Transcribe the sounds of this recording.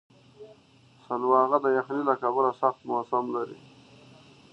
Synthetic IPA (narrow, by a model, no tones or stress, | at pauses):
salwɑɣad̪əjaxnilakabəlasaxt̪masamlaɾḭ